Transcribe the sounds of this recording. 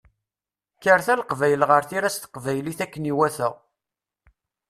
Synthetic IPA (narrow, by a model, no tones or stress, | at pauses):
kːəɾθælqvæjəlʁəɾθiɾæst̪ə̥qvæjliθækːəniwæθəʁ